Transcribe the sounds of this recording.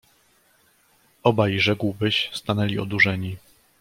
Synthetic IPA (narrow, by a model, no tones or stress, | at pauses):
ɔbajʐɛkwbɘɕst̪anɛlʲiɔd̪uʐɛɲi